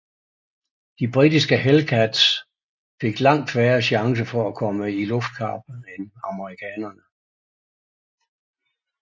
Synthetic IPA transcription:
d̥ib̥ʁid̥isɡ̥əɦelkʰæd̥s | fe̝ɡ̥lɑ̈ŋ̰d̥fʋæːɐɕɑ̈ŋs̬əfɒ̽ækʰɒ̽məilɔ̽fd̥̚kʰɑ̰̈ːb̥enɑ̈məʁikʰɛːnɐnə

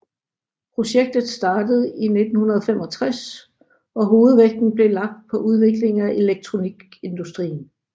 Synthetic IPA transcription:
pʰʁo̝ɕeɡ̥̚d̥ð̞̩ˠsd̥ɑ̈ːd̥əð̞̩ˠine̝d̥n̩hunɐð̞ˠfem̰ɒ̽t͡sʰʁas | ɒ̽ɦo̝ːð̞̩ˠʋeɡ̥̚d̥n̩b̥le̝lɑ̈ɡ̥̚d̥̚pʰɒ̽ʔuð̞ˠʋe̝ɡ̥le̝ŋæʔe̝leɡ̥̚t͡sʰʁo̝niɡ̥e̝nd̥usd̥ʁḭːn̩

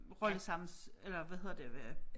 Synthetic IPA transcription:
ʁɒ̽ləsɑ̈m̰n̩selɐʋæðhe̝ð̰ˠɐd̥e̝ʋæ

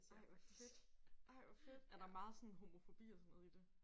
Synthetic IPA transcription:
ɑɪɑed̥ɑɪ̰ʋɑfed̥æd̥ɑ̈æmɑ̈ːð̞̩ˠsɔ̽n̩ɦo̝mo̝fo̝b̥ḭːɒsɒnːɔ̽ðˠid̥e̝

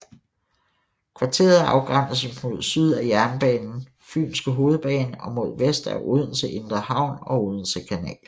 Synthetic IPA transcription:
kʰʋɑ̈t͡sʰe̝̰ːɐðˠɑ̈ʊɡ̥ʁan̰əsmo̝ð̞̰ˠsyð̞̰ˠæjæɐnb̥ɛːnn̩ | fy̰ːnsɡ̥əɦo̝ːð̞̩ˠb̥ɛ̰ːnəɒ̽mo̝ð̞ˠʋesd̥æɐʔuð̞ˠən̩seʔe̝nd̥ʁɐhɑ̈ʊ̰nɒ̽uð̞ˠn̩sekʰænɛ̰ːl

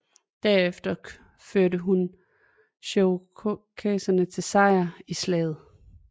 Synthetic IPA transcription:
d̥æɐefd̥ɐ | føɐɾəɦun | ɕokʰɛːsɐnət͡sʰe̝lsɑ̈ɪ̰ɐislɛ̰ːð̞̩ˠ

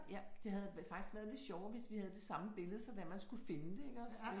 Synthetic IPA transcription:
jæd̥e̝ɦæð̞̩ˠfɑ̈ɡ̥isɡ̥ʋæːɐð̞ˠle̝d̥ɕɒʊʋe̝sʋihæð̞ˠd̥e̝sɑ̈məb̥e̝ləð̞̩ˠəsɒ̽ʋæmænsɡ̥ufe̝nəd̥e̝eɡ̥ɒs

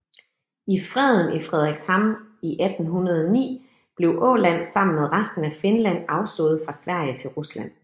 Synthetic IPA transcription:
ifʁɛð̞ˠən̩ifʁɛð̞ˠʁɛɡ̥shɑ̈miʔæd̥n̩ɦunɐð̞ˠɒnḭː | b̥le̝ʊʔɔ̰̽ːlæn̰sɑ̈m̰n̩meðˠʁasd̥n̩æfe̝nlæn̰ɑ̈ʊsd̥ɔ̰̽ːð̩ˠfʁɑ̈sʋæɐ̰jət͡sʰe̝lʁuslæn̰

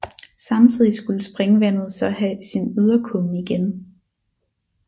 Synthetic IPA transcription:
sɑ̈mt͡sʰið̰ˠisɡ̥uləsb̥ʁɛŋəʋæn̰ð̞̩ˠsɒ̽hæsinyð̞ˠɐkʰɔniɡ̥en

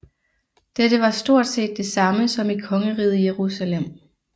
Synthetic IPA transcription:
d̥ed̥əʋɑ̈sd̥o̝ɐ̰d̥se̝̰ːd̥ːe̝sɑ̈məsɒ̽mikʰɒ̽ŋəʁḭːð̩ˠjeʁusælem̰

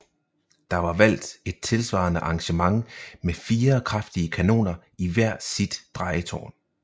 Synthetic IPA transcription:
d̥ɑ̈ʋɑ̈ʋæl̰d̥e̝d̥̚t͡sʰe̝lsʋɑ̰̈ːnəʔɑ̈ŋɕəmɑ̈ŋmefiːɐkʰʁɑfd̥iəkʰæno̝̰ːnɐ | iʋæɐ̰sid̥ːʁɑ̈ɪət͡sʰɒ̰ːn

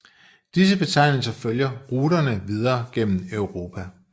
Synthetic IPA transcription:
d̥is̬əb̥e̝t͡sʰɑ̈ɪ̰nl̩sɐføljɐʁuːdɐnəʋið̞ˠɐːɡ̥en̰m̩œʊʁo̝ːpʰæ

